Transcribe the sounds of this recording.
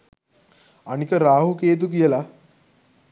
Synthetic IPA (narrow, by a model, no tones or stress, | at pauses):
aɽ̃ikəɾaɦuket̪̬ukjɛla